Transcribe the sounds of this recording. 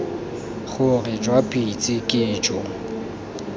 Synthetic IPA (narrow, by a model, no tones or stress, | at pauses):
χʊrɪd͡ʒwapʼit͡sʼɪkʼɪːd͡ʒɔ